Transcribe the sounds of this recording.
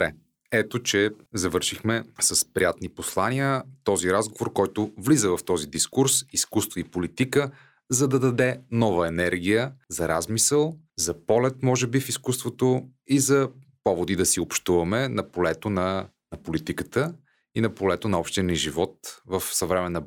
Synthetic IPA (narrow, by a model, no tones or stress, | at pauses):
bɾɛ | ɛt̪ot͡ʃɛzɐvɤɾʃixmɛsɐspɾijat̪niposlˠaniət̪ɔziɾazɡovoɾkɔjt̪ʊvlizəvɐft̪ɔzid̪iskuɾsiskust̪voipolit̪ikə | zɐd̪ɐd̪ɐd̪ɛnɔvəɛnɛɾɡ̟ijəzɐɾazmisəlˠ | zɐpɔlɛt̪mɔʒɛbifiskust̪vot̪oizɐpɔvod̪id̪ɐsiopʃt̪uvɐmɛnɐpolɛt̪onɐ | nɐpolit̪ikət̪ə | inɐpolɛt̪onɐɔpʃt̪inʲəʒivɔt̪vɐfsɐvɾɛmɛnɐ